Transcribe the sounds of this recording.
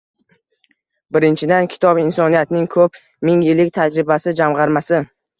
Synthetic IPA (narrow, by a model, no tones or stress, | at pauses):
bɪɾɪnt͡ʃʰɪd̪ankʲʰɪ̥t̪ʰɒbɪnsɒnijat̪nɪŋkʰɵp | mɪŋjɪlɪk̚ʲt̪ʰad͡ʒɾɪbasɪd͡ʒamʁɑɾmasɪ